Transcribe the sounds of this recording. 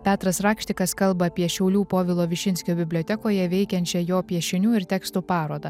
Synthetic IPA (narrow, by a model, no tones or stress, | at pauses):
pʲæːt̪ɾɐsɾɑːkʃʲt̪ʲɪkɐskɐlˠbɐːpʲiɛʃʲɛʊlʲuːpoːʋʲɪlˠoːʋʲɪʃʲɪnʲsʲkʲoːbʲɪbʲlʲoːt̪ʲɛkoːjɛʋʲɛɪkʲɛnʲt͡ʃʲɛjoːpʲiɛʃʲɪnʲuːɪɾt̪ʲɛkst̪uːpɑːɾoːd̪ɐ